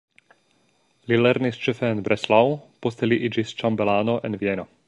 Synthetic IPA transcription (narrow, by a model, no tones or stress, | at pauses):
lilɛɾnist͡ʃefeːnbɾeslawpost̪eliʔid͡ʒist͡ʃambelaːnoʔenvieno